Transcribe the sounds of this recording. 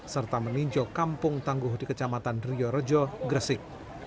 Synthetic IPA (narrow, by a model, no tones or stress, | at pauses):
sərt̪aməniɲd͡ʒɔkampʊŋt̪aŋɡʊhdikət͡ʃamat̪anriɔɾəd͡ʒɔɡɾəsɪk̚